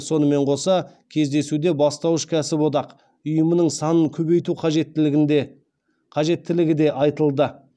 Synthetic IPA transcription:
so̞nəme̞ɴqʰo̞sɑ | kʲʰe̞zd̪e̞sud̪e̞bɑst̪ɑwəʃkʲʰæsɪpod̪ɑq | ʊjəmənəɴsɑnəŋkʲʰɵβe̞jt̪uqʰɑʒet̪ː | qʰɑʒe̞t̪ːɪlɪɡʲɪd̪e̞ʔɑjt̪əlˠd̪ə

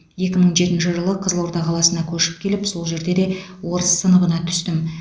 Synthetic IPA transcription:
je̞kʲɪməɴʒe̞t̪ɪnʃɪʒəlˠəqʰəzəlˠo̞ɾt̪ɑʁʰɑlˠɑsənɑkʲʰɵʃɪ̥p̚kʲʰe̞lɪpso̞lˠʒe̞ɾd̪e̞d̪e̞ | wo̞ɾəsːənəbənɑt̪ʰʏ̥st̪ɪm

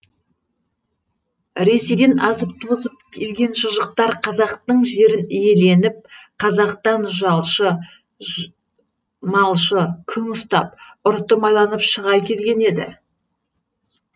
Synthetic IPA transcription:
ɾe̞seɡ̪ʲenɑzəp̚t̪ʰuzəp̚kʲʰe̞lɡʲe̞nʒəʒəq̚t̪ɑɾqʰɑzɑqt̪əɴʒe̞ɾɪnije̞le̞nɪp̚qʰɑzɑqt̪ɑnʒɑlˠʃə | mɑlˠʃəkʲʰʏŋʊst̪ɑ̰p̚ʊɾt̪ːəmɑjlˠɑnəpʃəʁɑjkʲʰe̞lɡʲe̞ne̞d̪ɪ̰

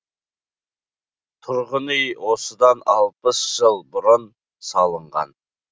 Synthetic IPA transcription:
t̪ʰʊɾʁənəjwosəd̪ɑnɑlˠpəsʒ̥əlˠbʊɾʊn | sɑlˠəɴʁɑ̰n

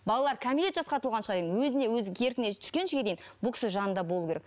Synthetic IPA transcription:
bɑlˠɑlˠɑɾkʲʰæmilet̪ʒɑsqɑt̪ʰlˠʁɑnʃə̥ʁɑd̪ejʲɪnwɵzɪne̞wɵzɪkʲʰe̞ɾkʲɪnet̪ʰʏ̥skʲe̞nʃɪkʲed̪ejɪnbʊlˠkʲɪ̥sɪʒɑnənd̪ɑbo̞lˠukʲʰeek

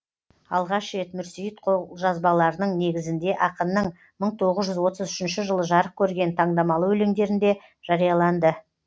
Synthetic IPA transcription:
ɑ̰lˠʁɑʃe̞t̪mʏɾsijət̪qʰolˠʒɑzbɑlˠɑɾənəɴne̞ɡʲɪzɪnd̪e̞ʔɑqənːəɴ | məɴt̪ʰo̞ʁəzʒʏzwo̞t̪əzʏʃɪnʃɪʒəlˠəʒɑɾəq̚kʲʰɵɾɡʲe̞nt̪ʰɑɴd̪ɑmɑlˠəwɵleŋd̪e̞ɾɪnd̪e̞ | ʒ̥ɑɾijɑlˠɑnd̪ə

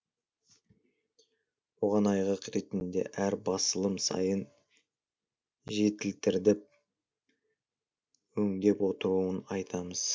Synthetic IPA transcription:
woʁɑnɑjʁɑqɾe̞t̪ɪnd̪e̞̰ʔæɾbɑsəlˠəmsɑ̰jən | ʒe̞t̪ɪlt̪ɪɾd̪ɪp̚ | wɵŋd̪e̞pwo̞t̪əɾuənɑjt̪ʰɑməz̥

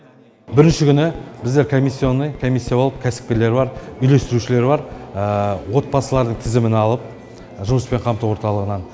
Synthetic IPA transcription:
bɪɾɪnʃɪkʲʰʏnɪbɪzd̪e̞ɾkʰo̞misːionːəjkʰo̞mʲijsːijabolˠəp̚kʲʰæsɪ̥p̚kʲele̞ɾbɑɾʏjle̞st̪ɪɾuʃɪle̞ɾbɑɾ | wo̞t̪̚pɑsəlˠɑɾd̪əɴt̪ʰɪzɪmɪnɑlˠəp̚ | ʒʊməspe̞ɴqʰɑmt̪əwo̞ɾt̪ɑlˠəʁənɑn

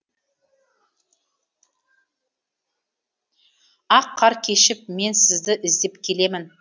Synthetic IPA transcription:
ɑqʰːɑɾkʲʰe̞ʃɪp̚me̞nsɪzd̪ɪʔɪzd̪e̞pkʲʰe̞le̞mɪn

